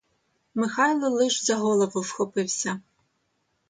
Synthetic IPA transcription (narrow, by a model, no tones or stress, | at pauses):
mɪxajlˠɔlˠɪʃzɐɦɔlˠɔvɔwsxɔpɪwsʲɐ